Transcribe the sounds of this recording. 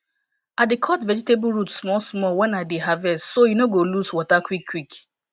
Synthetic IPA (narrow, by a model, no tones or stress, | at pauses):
adekʰɔtvɛd͡ʒitebɹutsmɔsmɔwɛ̃naɪdeɦavɛstsojunoɡoluswɔtakwikʰːwik